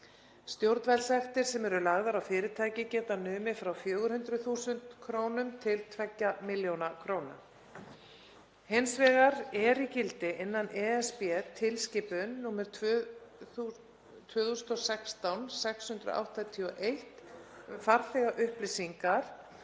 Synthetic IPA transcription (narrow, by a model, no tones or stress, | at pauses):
st̪jowɾt̪vɛlsɛxt̪ɪɾ̥sɛmɛɾʏlaɣðaɾawfɪːɾɪt̪ʰaːjcɪcɛːt̪anʏːmɪfɾawfjœːɣʏɾ̥hʏnt̪ɾʏθuːsʏnt̪kʰɾoːwnʏmt̪ʰɪlt̪ʰvɛcːamɪljownakʰɾoːwna̰m | hejnsvɛːɣaɾɛɾicɪlt̪ɪʔɪnːanɛɛspɛt̪ʰɪlscɪːpʏnːuːmɛɾ | u | t̪ʰvœːθust̪ɔsɛkst̪awnsɛkshʏnt̪ɾʏ̰ʔa̰wht̪at̪ʰiɔʔejht̪faɾθɛɣaʔʏhplɪsiŋkaɾ̥